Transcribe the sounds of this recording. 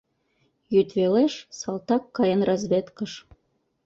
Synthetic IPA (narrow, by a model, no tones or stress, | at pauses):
jyt̪βeleʃsɑlt̪ɑkːɑjənrɑzβʲet̪kəʃ